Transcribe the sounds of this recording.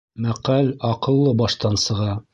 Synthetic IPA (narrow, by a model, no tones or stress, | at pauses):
mæqælɑqɤ̆lˠːɤbɑʃt̪ɑnsɤ̆ʁɑ